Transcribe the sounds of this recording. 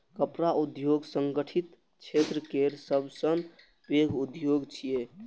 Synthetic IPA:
kəpɾaʔud̪joɡsəŋɡəʈʰit̪ | t͡ʃʰet̪ɾəkeɾsəbʱsən | beɡʱud̪joɡt͡ʃʰije

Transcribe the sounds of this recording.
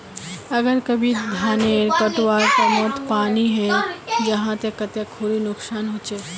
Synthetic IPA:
əɡəɾkəbʱid̪ʱaːneɾkəʈwaːɾk̪emɔt̪paːniɦɛ̃d͡ʒɐɦãt̪ekət̪ekʰuɾinʊksaːnɦot͡ʃe

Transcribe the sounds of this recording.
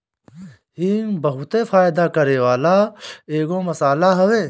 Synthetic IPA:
hiːŋbɐɦʊt̪efaːjd̪akɐɾeːwaːlaːeːɡõːmɐsaːlaɦɐweː

